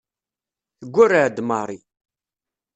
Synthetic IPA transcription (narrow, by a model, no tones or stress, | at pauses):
θəɡʷːʊrːaʕd̪mɑɾˤi